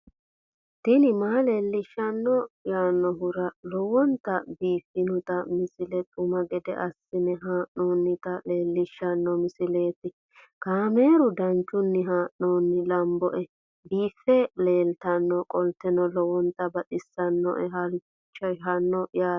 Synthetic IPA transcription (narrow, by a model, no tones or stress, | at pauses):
t̪ɪnɪmaːle̞ːlːɪʃːɐnːɔjaːnːɔɦʊɾɐlɔwɔnt̪ːɐbiːfːɪnʊt̪ɐmɪsɪlɛt̪ʼʊmɐɡɛd̪ɛ̰ʔɐsːɪnɛɦaːʔnoːnːɪt̪ɐle̞ːlːɪʃːɐnːɔmɪsɪleːt̪ɪ | kaːme̞ːɾʊd̪ɐnt͡ʃːʊnːɪɦaːʔoːnːɪlɐmbɔʔɛ | biːfːɛle̞ːlt̪ɐnːɔkʼɔlt̪ɛnɔlɔwɔnt̪ɐbɐtɪsːɐnːɔ̰ʔɛɦɐɾ | t͡ʃːɐɦɐnːɔjaː